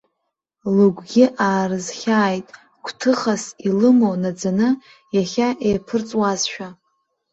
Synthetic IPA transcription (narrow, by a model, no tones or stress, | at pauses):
luɡʷɡʲɪʔaːrɨzχʲaːjtʼ | kʷʰtʰɨχasilɨmonad͡zanɨ | jaχʲaʔejpʰɨrt͡sʼwazʃᶣa